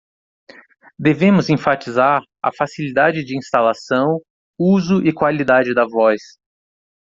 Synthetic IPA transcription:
d̪evẽmʊzẽfat͡ʃizaɾ | ɐ̰fasilid̪ad͡ʒɪd͡ʒɪĩst̪alasɐ̃w̃ | uzʊʔɪkwalid̪ad͡ʒɪd̪ɐvɔjs

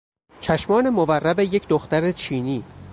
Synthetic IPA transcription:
t͡ʃʰæʃmɒːne̞moværːæbe̞je̞cʰd̪oxt̪æɾet͡ʃʰiːniː

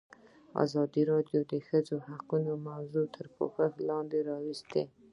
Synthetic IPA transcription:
ɑ̰zɑd̪iɾɑɖjod̪əxəd͡zohaqunomawzut̪ʰəɾpo̰xaxlɑnd̪eɾɑwɪst̪e

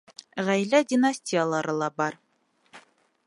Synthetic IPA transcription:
ʁæjlædʲinasʲtʲijalˠɑɾɤlˠɑbɑɾ

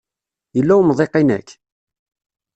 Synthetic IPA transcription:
jəlːæwmðˤeqːinæ̰kː

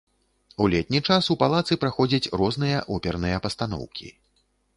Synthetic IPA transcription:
ulʲɛt̪̚ʲnʲit͡ʂasupalˠat̪sɨpɾaxɔd͡zʲɐt͡sʲrɔznɨjɐʔɔpʲɛrnɨjɐpɐst̪an̪ɔ̰wkʲḭ

